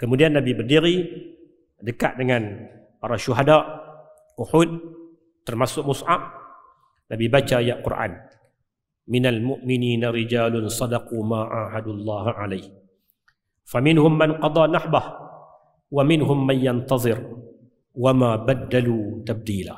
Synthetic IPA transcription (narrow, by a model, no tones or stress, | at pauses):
kəmudianːabibərdiɾi | dəka̰ʔdəŋan | paɾaʃuɦadaʔ | ʔuħud̪̚ | t̪ːərmasʊk̚mʊsʕa̰p̚ | nabibat͡ʃajaʔqʊrʔa̰n | mɪnalmʊʔmɪniːnaɾɪd͡ʒaːlʊnsˤɑdɑquːmaːʔa̰ɦadʊlˤːɑːɦʕa̰lajh | famɪnɦʊmːanqɑd̪ˤɑnaħbah | wamɪnɦʊmːanjant̪ɑðˤɨɾ | wamabad̪ːaluːt̪ab̚diːla̰ː